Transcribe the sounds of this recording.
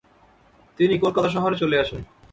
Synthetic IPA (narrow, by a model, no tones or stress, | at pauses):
t̪inikolkat̪aʃ̬ɔɦoɾet͡ɕoleaʃen